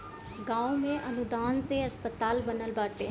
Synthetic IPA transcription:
ɡãːumẽʔənʊd̪aːnseɦəspət̪aːlbənəlbaːʈeː

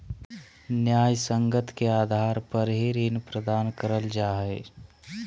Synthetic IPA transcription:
njaːjsə̃ŋɡət̪ʰkeaːd̪ʱaːɾpəɾɦiɾiːnpɾəd̪aːnkəɾəld͡ʒaːɦeː

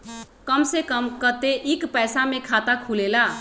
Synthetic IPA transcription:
kəmsekəmkət̪eʔikpəjsamekʰat̪akʰulela

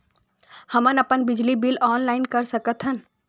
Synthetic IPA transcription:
həmənəpənbɪd͡ʒlibilɔːnlaːɪnkəɾsəkət̪ɦən

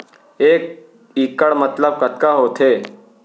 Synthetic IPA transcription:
eːk̚ | iːkəɽmət̪ləb̚kət̪kaɦoːt̪ʰeː

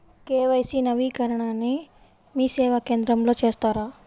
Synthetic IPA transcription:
keːʋɐjsinɐʋiːkɐɾɐɳaːnːi | miːsɛːʋɐke̞ːnd̪ɾɐmlo̞ːt͡ʃe̞ːst̪aːɾaː

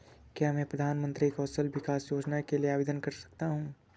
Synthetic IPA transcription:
kjaːmɛ̃pɾɐd̪ʱaːnmə̃nt̪ɾiekɔːsəlʋɪkaːsjoːd͡ʒnakelieaːʋeːd̪ənkɐɾsɐ̥k̚t̪aɦũː

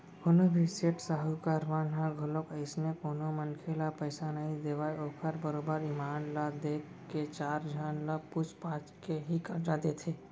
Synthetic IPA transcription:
konobʱiseːʈsaːɦukaɾʋaːnɦãɡʱʊlokəɪsnekoːnomənkʰeːlapəɪsanɐɦĩd̪eːʋaːeoːkʰəɾbəɾoːbəɾɪmaːnlad̪eːk | ket͡ʃaːɾd͡ʒʱaːnlapʊt͡ʃpaːt͡ʃkeɦikɐɾd͡ʒaːd̪et̪ʰeː

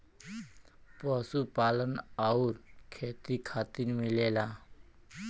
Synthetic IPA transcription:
pəːsupaːlənauɾkʰeːt̪ikʰaːt̪inmɪleːlaː

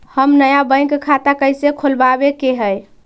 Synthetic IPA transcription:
həmnəjabəɪ̃kekʰat̪akəjsekʰolbabekeɦəj

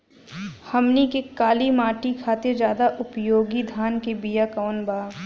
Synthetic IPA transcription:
hɐmnikekaːlimaːʈikʰaːt̪ed͡ʒjaːd̪aʔʊpjoːɡid̪ʱaːnkebijakaːnbaː

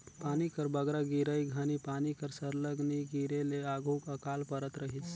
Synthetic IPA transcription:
panikəɾbəɡɾaɡiɾəjɡʱanipanikəɾsəɾləɡniɡiɾeleaɡʱukəkalpəɾət̪ɾəɦit͡ʃ

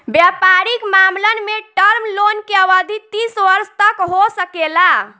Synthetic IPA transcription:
bjapaɾikmamlənmeʈəɾmlonkeəʋəd̪ʱit̪isʋəɾst̪əkɦosəkela

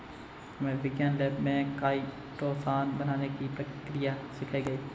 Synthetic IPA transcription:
mẽʋɪɡjaːnlɛːbmẽkaːi | ʈoːfaːnbənaːnekipɾəkɪkɾɪjasɪkʰaiɡɐiː

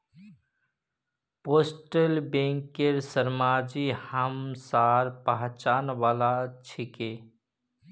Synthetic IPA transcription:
poːsʈəlbẽːŋkeɾsəɾmaːd͡ʒihəmsaːɾpaɦt͡ʃaːnʋaːlat͡ʃʰikeː

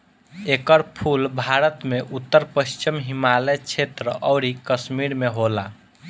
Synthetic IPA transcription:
ekəɾpʰulbʱaɾət̪meʔut̪ːəɾpəʃt͡ʃimɦimalet͡ʃʰet̪ɾəʔɔʊɾikəsmiɾmeɦola

